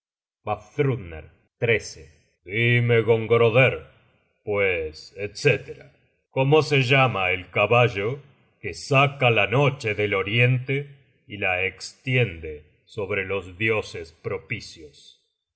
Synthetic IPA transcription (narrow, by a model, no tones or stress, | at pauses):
bafθɾud̪nḛɾ | t̪ɾese | d̪ime̞ɣo̞ŋɡɾoðeɾ | pweset̪set̪eɾa | ko̞mo̞seʒamaelkaβaʒo | kesakalano̞t͡ʃeðelo̞ɾje̞nt̪e | ilaekst̪jend̪e̞ | so̞βɾe̞lo̞zðjo̞sespɾo̞pisjos